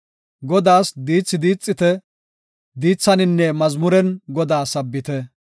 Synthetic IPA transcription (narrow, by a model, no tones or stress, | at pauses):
ɡɔd̪aːsd̪iːt͡sːɪd̪iːt͡sʼːɪt̪ɛ | d̪iːt͡sːɐnɪnːɛmɐzmʊɾɛnɡɔd̪aːsɐbːɪt̪ɛ